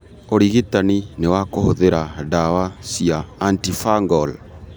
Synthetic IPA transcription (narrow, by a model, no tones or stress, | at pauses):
oɾiɣitaninewakohoðeɾadawasiaːntifaŋɡɔl